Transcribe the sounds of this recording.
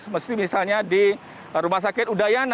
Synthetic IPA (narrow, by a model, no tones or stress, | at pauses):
məst̪imisalɲadi | ɾumahs̬akɪt̪udajan